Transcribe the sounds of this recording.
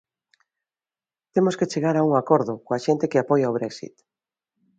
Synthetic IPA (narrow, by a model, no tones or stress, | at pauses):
t̪emosket͡ʃeɣaɾauŋakɔɾðʊkoaʃent̪ekɪapɔjaoβɾɛksḭt̪